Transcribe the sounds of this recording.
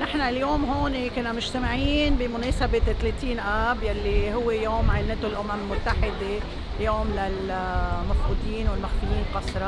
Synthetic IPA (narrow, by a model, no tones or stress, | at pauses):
nɪħnaljoːmɦoːnikʊnːamʊʒt̪amɪʕiːnbimʊneːsabet̪ːleːt̪iːnʔaːbjalːihʊwːejoːmʕanɪt̪ʊlʔʊmammʊt̪ːaħɪd̪e | joːmlal | mafɾuːd̪iːnwɪlmaxfijiːnqɑsɾˤɑ